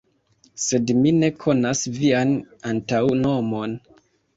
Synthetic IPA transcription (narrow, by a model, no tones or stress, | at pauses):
se̞dmine̞kʰo̞nasvianantawno̞mo̞n